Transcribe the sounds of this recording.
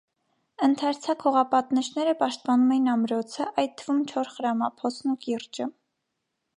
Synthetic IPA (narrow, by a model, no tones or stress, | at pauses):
ənt̪ʰɑɾt͡sʰɑkʰhɔʁɑpɑt̪nəʃnɛɾəpɑʃt̪̚pɑnumɛjinɑmɾɔt͡sʰəʔɑj̪̚t̪ʰːəvumt͡ʃʰɔɾχəɾɑmɑpʰɔt͡sʰnukirt͡ʃə